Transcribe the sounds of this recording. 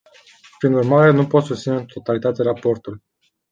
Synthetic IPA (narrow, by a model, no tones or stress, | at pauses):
pɾinurmaɾe̞nupo̞t̪sut̪inet̪ʰo̞t̪alit̪at̪eɾapo̞rt̪ul